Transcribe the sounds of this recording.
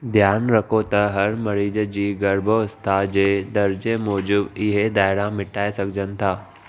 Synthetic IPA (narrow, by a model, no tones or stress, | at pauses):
d̪ʱjaːnɾɐkʰot̪ɐɦɐɾmɐɾiːd͡ʑd͡ʑiːɡɐɾbʱost̪ʰad͡ʑeːd̪ɐɾd͡ʑemɔːd͡ʑʊbɪɦed̪aːɪɽãmɪʈaːesɐɡʱɪd͡ʑənɪ̆t̪ʰaː